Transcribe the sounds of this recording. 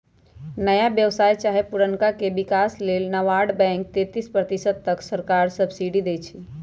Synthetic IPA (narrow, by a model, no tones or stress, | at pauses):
nəjabjəwsajt͡ʃaɦepuɾəŋkakebikaslelnəʋaɖbɛ̃ŋk̚t̪et̪ispɾət̪isəd̪̚t̪əksəɾkaɾsəbsiɖid̪et͡ʃʰi